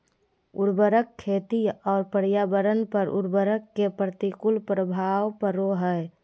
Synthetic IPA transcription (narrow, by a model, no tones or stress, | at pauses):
ʊɾbəɾəkʰːeːt̪iɔːɾpəɽjabəɾənpəɾʊ̰ɾbəɾəkːepɾət̪ikʊlpɾəbʱaːʋpəɾoɦɛe